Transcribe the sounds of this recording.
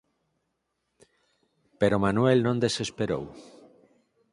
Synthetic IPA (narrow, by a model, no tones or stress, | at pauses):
peɾomanwelnõnd̪esespeɾo̰w